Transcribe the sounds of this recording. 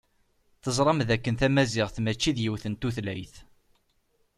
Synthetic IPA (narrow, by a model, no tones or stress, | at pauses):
θəzˤɾˤɑmðækːənθæmæzɪʁθmæt͡ʃːiðjiwθənt̪uθlæjθ